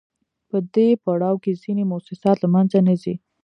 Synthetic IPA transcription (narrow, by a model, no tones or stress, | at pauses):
pəd̪epaɽɑwkezinemʊsɪsɑt̪lamanzanəzi